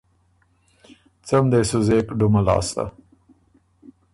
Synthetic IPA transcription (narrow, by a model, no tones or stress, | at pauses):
t͡samd̪esʊzeːkɖʊmalɑ̰ːst̪a̰